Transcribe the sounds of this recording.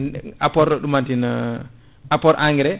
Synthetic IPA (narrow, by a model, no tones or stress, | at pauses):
apɔɾɗɔɗumantina | apɔɾʔaŋɡiɾɛ